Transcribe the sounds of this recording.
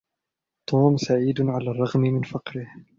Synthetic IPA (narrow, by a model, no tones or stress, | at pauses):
t̪ʰˤuːmsaʕiːd̪ʕalaːrˤːɑɣmɪmɪnfɑqɾɪh